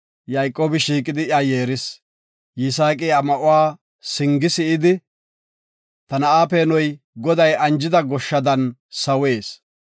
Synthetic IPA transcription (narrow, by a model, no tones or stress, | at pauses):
jɐjkʼːoːbɪʃiːkʼɪd̪ɪjajeːɾɪs | jɪsaːkʼiɐmɐʔʊwaː | sɪŋɡɪsɪʔɪd̪ɪ | t̪ɐnɐʔaːpeːnɔj | ɡɔd̪ɐjɐnd͡ʒɪd̪ɐɡɔʃːɐd̪ɐnsɐweːs